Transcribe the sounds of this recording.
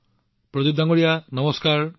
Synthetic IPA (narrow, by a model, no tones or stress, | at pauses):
pɾɔd̪id̪aŋɔɽijanʌmɔskaɾ